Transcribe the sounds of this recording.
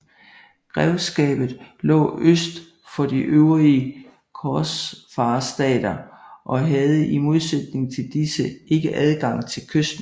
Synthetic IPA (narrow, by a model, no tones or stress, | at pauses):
ɡ̥ʁɛʊsɡ̥ɛ̰ːb̥ð̩ˠlɔ̰̽ːøsd̥ | fɒ̽d̥iʔøʊʁiə | kʰɒsfɑ̈ːsd̥ɛ̰ːd̥ɐʔɒ̽ɦæð̞ˠəimo̝ð̞ˠsed̥ne̝ŋt͡sʰe̝ld̥isəʔe̝ɡ̥əʔæð̞ˠɡ̥ɑ̈ŋ̰t͡sʰe̝lkʰøsd̥